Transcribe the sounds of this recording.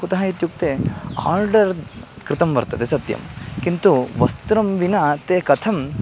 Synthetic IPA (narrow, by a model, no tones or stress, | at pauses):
ut̪ɐɦɐit̪juk̚t̪eːa̰ːɾɖɐɾ | kɾɪt̪ɐmʋɐɾt̪ɐd̪esɐt̪jɐ̰mkint̪uʋɐst̪ɾɐmʋinat̪eːkɐt̪ʰɐm